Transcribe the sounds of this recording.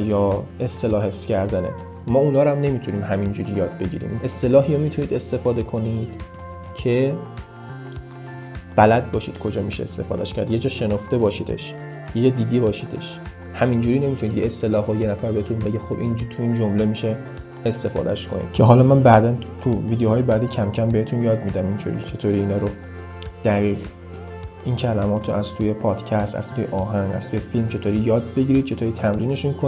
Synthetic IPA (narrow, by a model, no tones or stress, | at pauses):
jɒːe̞st̪e̞lɒːɦe̞fscæɾd̪ænḛ | mɒːunɒːɾæmne̞miːt̪ʰuniːmhæmind͡ʒuːɾiːjɒːd̪̚be̞ɟḭːɾḭme̞st̪e̞lɒːɦijomiːt̪ʰuniːd̪e̞st̪e̞fɒːd̪e̞kʰo̞nid̪̥ | cʰe̞ | b̥ælæd̪̚bɒːʃḭd̪̥kʰo̞d͡ʒɒːmiʃeḛst̪e̞̰fɒ̰ːd̪æʃcʰæɾd̪je̞d͡ʒɒːʃe̞noft̪e̞bɒːʃid̪e̞̰ʃ | jed͡ʒɒːd̪iːd̪ibɒːʃiːd̪e̞̰ʃ | hæmind͡ʒuːɾiːne̞mit̪ʰunid̪ɡiest̪e̞lɒːhɒjenæfæɾbehet̪ʰunbeɡixobʔind͡ʒuːɾt̪ʰuind͡ʒo̞mle̞miʃe | est̪e̞fɒ̰ːd̪æ̰ʃkʰo̞̰nḭd̪̥̚cʰeɦɒlɒːmænbæd̪ænt̪ʰuviːd̪ehɒːjebæd̪icʰæmcʰæmbeet̪ʰunjɒːd̪miːd̪æmint͡ʃʰo̰ːɾḭt͡ʃʰe̞t̪ʰoːɾiːnɒːɾo | d̪̥æɣiːʁ | ʔincʰælæmɒːt̪ʰoʔæz̥t̪ʰuje̞pʰɒːd̪̥cʰæst̪æ̰z̥t̪ʰuːjḛʔɒːɦæŋɡæ̰z̥t̪ʰuːjefilmt͡ʃʰe̞t̪ʰoːɾiːjɒːd̪̚be̞ɡɟiɾid̪̥̚t͡ʃʰe̞t̪ʰoːɾiːt̪ʰæmɾiːne̞ʃunkʰo